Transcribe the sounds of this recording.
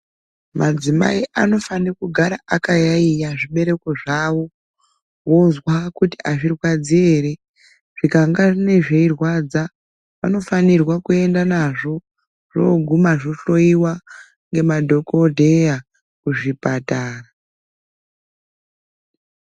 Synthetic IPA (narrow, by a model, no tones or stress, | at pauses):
mʔad͡zima̰iʔano̞fanekuɡʱaɾaʔakajaijaʐiɓe̞ɾe̞ko̞ʐawo̞ | wozwakutiʔaʐirwad͡zieɾe̞ | ʐ̥ikaŋɡaʐine̞ʐe̞irwad͡za | ʋa̰no̞fanirwakue̞ndanaʐo̞ | ʐ̥o̰ɡʱumaʐo̞ɬo̞iwa | ŋɡe̞madʱo̞kodʱe̞ja | kuʐipataːra